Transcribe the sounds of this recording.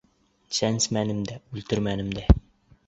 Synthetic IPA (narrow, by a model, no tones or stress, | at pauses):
t͡ʃænsmænɘ̆md̪æʉlt̪ɘɾmænɘ̆md̪æ